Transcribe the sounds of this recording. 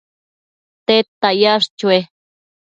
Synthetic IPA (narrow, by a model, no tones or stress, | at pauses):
t̪et̪ːajaʂt͡ʃue